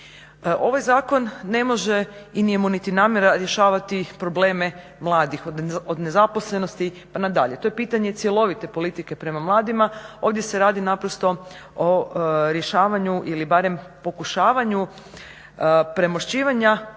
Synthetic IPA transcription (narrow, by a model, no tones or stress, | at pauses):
ʔo̞ʋajzaːko̞nːe̞mo̞ʒe̞inijemunit̪inaːmje̞ɾaɾje̞ʃaːʋat̪ipɾo̞ble̞ːme̞ | mlˠaːd̪ixod̪ne̞zapo̞sle̞no̞st̪i | panad̪aʎe̞t̪o̞jepiːt̪aɲe̞t̪sije̞lˠo̞ʋit̪e̞po̞lit̪ike̞pɾe̞mamlˠaːd̪imao̞ːʋd̪je̞se̞ɾaːd̪inapɾost̪o̞ | oɾje̞ʃaːʋaɲuʔilibaɾe̞mpo̞kuʃaːʋaɲu | pɾe̞moʃt͡ɕiːʋaɲa